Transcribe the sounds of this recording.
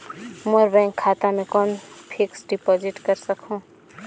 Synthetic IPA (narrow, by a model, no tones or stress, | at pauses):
moɾbɛ̃ŋkʰːat̪amẽkonpʰiksɖipod͡ʒiʈkəɾsəkʰũ